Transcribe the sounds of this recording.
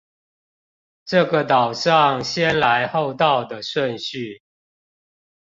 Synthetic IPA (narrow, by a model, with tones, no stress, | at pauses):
ʈ͡ʂɤ˥˨ɡə˨t̪ɑ˨˩ʊʂɑ˥˨ŋɕjɛ˦nla˨˦ɪho˥˧ʊt̪ɑ˥˨ʊd̪ə˨ʂwə˥˨˧nɕy˥˨